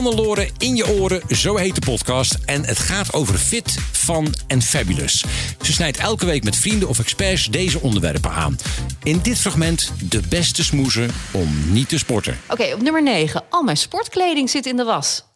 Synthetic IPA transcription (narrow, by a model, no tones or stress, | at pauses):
ɑnəlʊːɾəɪnjəʔʊːɾəzowɦejt̚dəpɔtkɑstɛnətχaːtowvərfɪtfɑnɛnfabylə̰sz̥əsnɛjtɛlˠkəʋejkmɛtfrindəɔfɛkspɛɹsdejzəɔndəɹʋɛ̰rpə̰na̰ːnɪndɪtfrɑχmɛntdəbɛstəsmuzəɔmnitəspɔɹtə̰ʔokejɔpnɵməɹnejχəʔɑlˠmɛnspɔɹtklejdɪŋzɪtɪndəʋɑs